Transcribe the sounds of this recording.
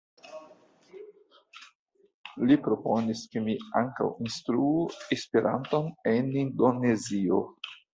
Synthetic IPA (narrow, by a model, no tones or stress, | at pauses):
lipɾo̞po̞niskemia̰ŋka̰winstɾuuespeɾʔa̰nto̞ne̞nindo̞ne̞zio̞